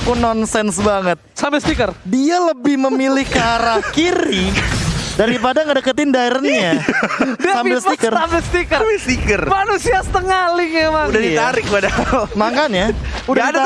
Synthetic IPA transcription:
kunɔnsɛnsbaŋət̪̚sambɪlst̪ikərdialəbɪhməmilɪhkaɾakiɾi | daɾipadaŋədəkət̪ɪndaɪrɲa | sambɪlsəikərabɪlst̪ikəmɪlst̪ikərmanusiasə̥t̪əŋalɪŋɛmaŋudadit̪aɾɪk̚padatmakanjaudaid

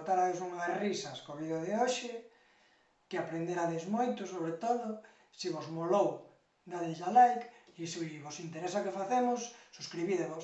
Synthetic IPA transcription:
t̪aɾaðesuŋarisɐskoβiðaðeoʃɪ | kɪapɾend̪eɾaðezmojt̪ʊsoβɾet̪oðʊ | siβozmolow | naðiʎalajkisiβosint̪eɾesakefaθemʊsːuskɾiβiðeβos

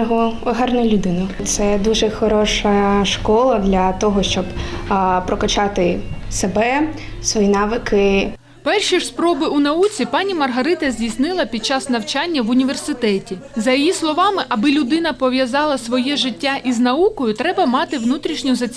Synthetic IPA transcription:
ɦɔɔɦɑrnʊlʲʊd̪ɪnɐt̪sɛd̪uʒɛxɔɾɔʃɐʃkɔlˠɐd̪lʲɐt̪ɔɦɔʃt͡ʃɔbpɾɔkɐt͡ʃɑt̪ɪsebɛsʋɔjinɑʋɪkʰɪ | pɛrʃispɾɔbɪʔunɐut͡sʲipɑnʲimɐrɦɐɾɪt̪ɐzʲdʲijsnɪlˠɐpʲid̪̚t͡ʃɑsnɐwt͡ʃɑnʲːɐʋʊnʲiʋe̞rsɪt̪ɛtʲizɐjijislˠɔʋɑmɪʔɐbɪlʲʊd̪ɪnɐpɔʋʲjɐzɑlˠɐsʋɔjɛʒɪtʲːaʔiznɐukɔjʊt̪ɾɛbɐmɑt̪ɪʋnut̪ɾʲiʃnʲʊzɐt͡sʲ

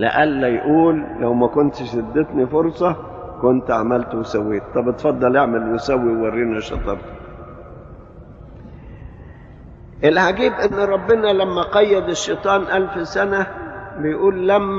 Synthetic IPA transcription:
lḛʔælːæjʔuːlːæwmækont̪ʃed̪ːet̪nifoɾsˤɑ | kont̪ʕa̰mælt̪wesæwːeːt̪̚t̪ˤːɑbet̪fɑd̪ˤːɑlʔeʕmelwesæwːiwwɑrːiːnæʃɑ̰t̪ˤɑb | ʔelħaɡiːbʔenːɾˤɑbːɪnælæmːæqɑjːɑd̪eʃːet̪ˤɑːnʔælfsænæbejʔuːlːæmː

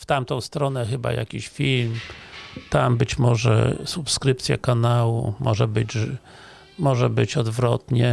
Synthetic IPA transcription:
ft̪amt̪ɔ̃w̃st̪ɾɔnɛxɘba̰ja̰kʲiɕfʲilm | t̪ambɘt͡ɕmɔʐɛ̰supskɾɘpt̪sʲja̰kanawṵmʔɔʐɛbɘd͡ʑ | mɔʐɛbɘt͡ɕɔd̪vɾɔt̪ɲɛ

